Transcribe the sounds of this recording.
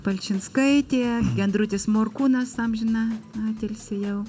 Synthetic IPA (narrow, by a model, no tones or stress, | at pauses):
pɐlʲt͡ʃʲɪnskɐɪt̪ʲeːbʲɛnd̪ɾʊt̪ʲɪsmoːrkuːnɐst̪ɐmʒʲɪnɑɑːt̪ʲɛlʲsʲɪjɛʊ